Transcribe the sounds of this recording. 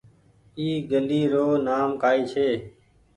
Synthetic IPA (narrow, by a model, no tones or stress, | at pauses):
iːɡəliːɾoːnaːmkaːiːt͡ʃʰeː